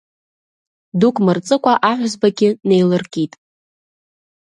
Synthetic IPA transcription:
dukʼmɨrt͡sʼɨkʷʼaʔaħʷzbaɡʲɪne̞jlɨrkʼitʼ

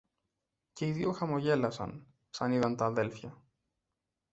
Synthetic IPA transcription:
ce̞iðioxɐmo̞ʝe̞lɐsɐ̰n | sɐniðɐnt̪ɐːðe̞lfçɐ

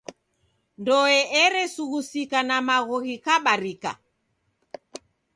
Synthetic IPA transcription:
ndɔɛʔɛɾɛsuɣusikanamaɣɔɣikaɓaɾika̰

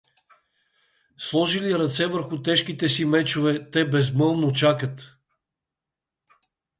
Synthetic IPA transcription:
slˠɔʒiliɾɐt̪sɛvəɾxʊt̪ɛʃkit̪ɛsimɛt͡ʃovɛt̪ɛbɛzmɤlˠnot͡ʃakət̪

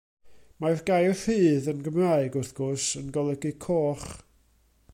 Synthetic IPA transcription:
marɡajrfɨːðənɡəmraɨɡʊrθɡ̥ʊsənɡɔlˠɛɡikʰoːχ

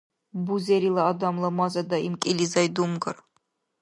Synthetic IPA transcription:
buzeɾilˠaːd̪ɑmlˠamɑzɑd̪ɑimkʼilʲizɑjd̪umɡɨɾ

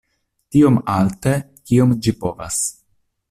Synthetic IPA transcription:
tio̞malte̞ | kiomd͡ʒipo̞va̰s

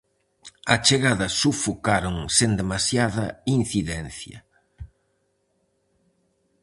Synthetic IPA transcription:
ɐt͡ʃeɣaðɐsufukaɾoŋsend̪emasjaðɐin̟θiðɛn̟θjɐ̰

